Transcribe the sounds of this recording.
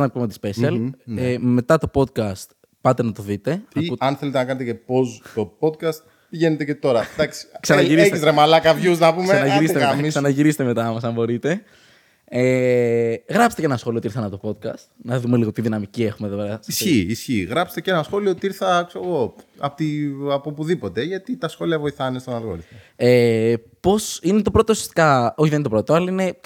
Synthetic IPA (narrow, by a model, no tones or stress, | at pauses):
nɐkupumot̪ispe̞siɐleme̞t̪ɐt̪o̞po̞d̪̚kɐst̪ | pɐt̪e̞nɐt̪o̞ðit̪e̞ɐɐnθe̞let̪enɐkɐnet̪ecepost̪o̞po̞d̪̚kɐst̪̚ | piʝe̞net̪e̞ce̞t̪o̞ɾɐd̪ɐksi̥ksɐnɐʝiɾisçizɾemɐlɐkɐvʝuznɐpumkesɐnɐʝiɾist̪eɐmisɐnɐʝiɾise̥t̪eme̞t̪ɐmɐs̬ɐmbo̞ɾit̪e̞ | e | ɣɾɐpst̪eenɐsxo̞liot̪iɾθɐnɐpot̪opo̞t̪̚kɐ̰st̪nɐðume̞liɣot̪iðinɐmicie̞xumeðopeɾɐsisçiisçiɣɾɐpse̥t̪ecenɐsxo̞liot̪iiɾθɐkseoɣo̞ɐ̰pot̪iɐpopuðipot̪e̞ʝɐt̪it̪ɐsxo̞liɐvo̞iθɐnest̪onɐlɣo̰lifoe | po̞sinet̪o̞pɾo̞t̪oːsie̥st̪i̥kɐoçiðent̪pɾo̞t̪o̞ɐlɐine̞